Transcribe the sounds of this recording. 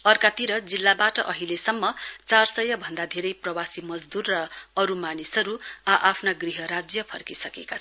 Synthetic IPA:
ʌrkat̪iɾʌd͡zilːabaʈʌʔʌɦilesʌmːʌt͡sarsʌjʌbʱʌnd̪ad̪ʱeɾʌjprʌwasimʌd͡zd̪urːʌːɾumanisʌɾuaʔapʰnaɡriɦʌɾad͡zjʌpʰʌrkisʌkekat͡sʰʌ

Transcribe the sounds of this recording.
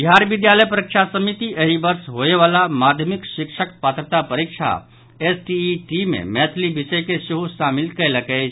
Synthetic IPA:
iɦaɾʋɪd̪jaləjpəɾikʃasəmit̪iʔɐɦibəɾsɦoeʋaːlamaːd̪ʱjəmɪkʃɪkʃəkpaːt̪ɾət̪apɐɾikʃa̰ | esʈiʈimḛ̃mɛːt̪ʰlibɪʃəjkesuɦuʃaːmɪlkəjləke

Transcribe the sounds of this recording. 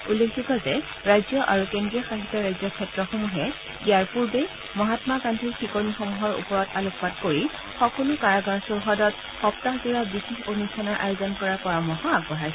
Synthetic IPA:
ulːekʰzukɔzɛ | ɹajzjɔʔaɹukendɹijɔxaxitːɔɹajzɔkʰɛtɹɔxomuɦɛ | iaɹpuɹbe | mɔɦatmakantʰiɹxikonixomuɦɔɹṵpɔɹɔtalokpatkoɹi | xɔkulʊkaɹaɡaɹsɔɹɦɔdɔt | xɔptaxdiɹabixexonustʰanɔɹʔa̰jozɔnkɔɹapɔɹamɔɦɔaɡbɔɦajs

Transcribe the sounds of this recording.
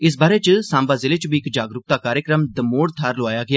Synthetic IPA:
ɪs̬baːɾet͡ʃsãːmbaːzɪlet͡ʃbʱiːkd͡ʒaːɡɾʊk̚t̪aːkaːɾjəkɾəmd̪əmoːɽt̪ʰaːɾlʊaːjaɡɪjaː

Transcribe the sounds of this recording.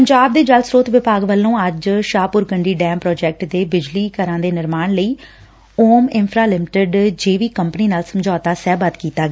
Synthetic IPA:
pəɲd͡ʒaːb̚d̪eːd͡ʒəlsɾoːt̪ʋɪpaːɡʋəlːõːəd͡ʒʃaːpʊɾɡəɳɖiːɖɛːmpɾɔːd͡ʒɛːk̚ʈd̪eːbɪd͡ʒliːkəɾãːd̪eːnɪɾmaːnləiː | oːmɪnpʰɾaːlɪmɪʈəɖd͡ʒeːʋiːkəmpəniːnaːlsəmd͡ʒaːt̪aːsɛːbət̪kiːt̪aːɡɛ

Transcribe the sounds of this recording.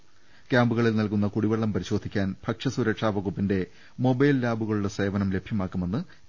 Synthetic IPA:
kʲaːmbuɣɐɭilnɐlkunːɐkuɽiʋɐɭːɐmpɐɾiɕo̞ːd̪ʱikʲːaːnbʱɐkʂɐsuɾɐkʂaːʋɐɣupːinde̞ | mo̞bɐjllaːbuɣɐɭuɽese̞ːʋɐnɐmle̞bʱjɐmaːkːume̞nːɨ

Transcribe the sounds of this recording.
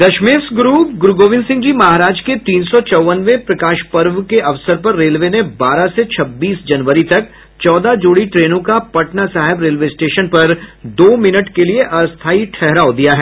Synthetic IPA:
d̪ɐʃmeːsɡɾuːpɡʊɾɡoːʋɪ̃nsɪ̃ŋɡd͡ʒiːmɐɦaːɾaːd͡ʒket̪iːnsɔt͡ʃɔʋənʋepɾɐkaːʃpɐɾʋkeʔɐʋsəɾpɐɾːeːlʋenebaːɾaset͡ʃʰɐbːiːsd͡ʒɐnʋəɾit̪ɐk̚ | t͡ʃɔːd̪ad͡ʒoːɽiʈɾeːnõkapɐʈnasaːɦɪbɾeːlʋesʈeːʃənpɐɾd̪oːmɪnəʈkelieʔɐst̪ʰaːiʈʰɛɦɾaːod̪ijaɦɛː

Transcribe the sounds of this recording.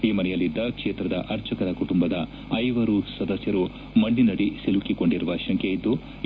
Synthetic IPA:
iːmɐnɛjɐlːid̪ːɐkʂeːt̪ɾɐd̪ɐ̰ʔɐɾt͡ʃɐkɐɾɐkuʈumbɐd̪ɐ | ɐjʋɐɾusɐd̪ɐsjɐɾu | mɐɳɖinɐɽisilukiko̞ɳɖiɾuʋɐʃɐŋkʰeid̪ːu

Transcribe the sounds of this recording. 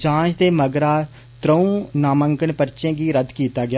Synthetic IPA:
d͡ʒãːt͡ʃd̪eːməɡɾaː | t̪ɾəũːnaːmə̃ŋkəɳpəɾt͡ʃẽːɡiːɾəd̪kiːt̪aːɡɪa

